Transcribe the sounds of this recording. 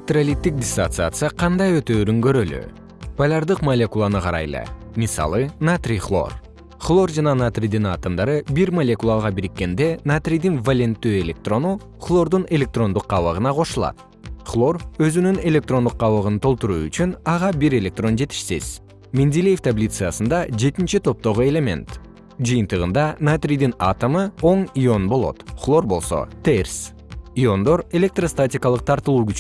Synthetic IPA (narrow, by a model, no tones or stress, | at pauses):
t̪ralʲit̪ːik̚d̪ʲɪst̪ant̪sɨat̪sɨjaqʰɑnd̪ɑjø̞t̪øːɾyŋɡø̞ɾøly̰ | pʰalʲaɾd̪ɯqmɐlʲekulˠanɯqʰɑɾɑ̰jlˠɯ̰ | mʲisɑ̰lˠɯnat̪rʲiχlˠo̞̰r | χlˠo̞rd͡ʒɑnɑnat̪ʲrʲijd̪inɑt̪ɯmd̪ɑɾɯbiɾmɐlʲekulˠaʁɑbiɾikːe̞nd̪e̞nat̪rʲijd̪invɐlʲent̪ːyːe̞lʲe̞k̚t̪ro̞nu | χlˠo̞rd̪une̞lʲe̞k̚t̪ro̞nd̪uq̚ːɑβəʁɯnɑqʰo̞ʃulˠɑ̰t̪ | χlˠo̞rø̞zynyne̞lʲe̞k̚t̪ro̞nd̪uq̚ːɑβɯʁɯnt̪ʰo̞lˠt̪uɾṵːy̰t͡ʃynɑʁɑbiɾe̞lʲe̞k̚t̪ro̞nd͡ʒe̞t̪i̥ʃsḭz̥ | mʲind̪ʲilʲejeft̪ʰablʲit̪sɨjasɯnd̪ɑd͡ʒe̞t̪int͡ʃit̪ʰo̞p̚t̪o̞ʁue̞lʲe̞mʲe̞̰nt̪ | d͡ʒɯjɯnt̪ɯʁɯ̰nd̪ɑnat̪rʲijd̪ina̰t̪amɯo̞ɴio̞nbo̞lˠo̞̰t̪χlˠo̞rbo̞lˠso̞̰t̪ers | io̞nd̪o̞ɾe̞lʲe̞k̚t̪rost̪atʲɪkɑlˠɯq̚t̪ʰɑɾt̪ɯlˠuːkyt͡ʃ